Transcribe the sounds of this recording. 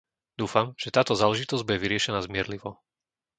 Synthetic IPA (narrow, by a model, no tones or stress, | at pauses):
d̪uːfamʒ̥ɛt̪aːt̪ɔzaːlɛʒit̪ɔzɟbuɟɛʋiɾɪɛʃɛnaːzmɪɛɾliʋɔ